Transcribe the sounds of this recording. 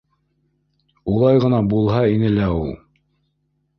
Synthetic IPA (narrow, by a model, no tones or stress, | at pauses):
ulˠɑjʁɤ̆nɑbulˠɦɑinɘlæulˠ